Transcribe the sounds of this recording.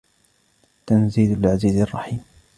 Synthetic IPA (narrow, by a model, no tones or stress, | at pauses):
t̪anziːd̪alʕaziːzɑrˤːɑħiːm